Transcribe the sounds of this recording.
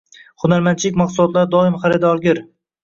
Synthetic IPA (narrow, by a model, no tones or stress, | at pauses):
χʊnaɾmant͡ʃʰɪlɪkʲmɑqsʊlˠɒt̪laɾd̪ɒɪmχaɾɪd̪ɒɾɡʲɪɾ